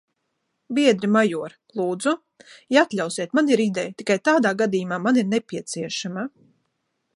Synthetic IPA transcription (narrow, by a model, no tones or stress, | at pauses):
biɛd̪ɾimajuɔɾ | lˠuːd̪zu | jat̪lʲawsiɛt̪maniɾid̪ɛjt̪ikajt̪aːd̪aːɡad̪iːjumaːmaniɾnepʲiɛt̪siɛʃama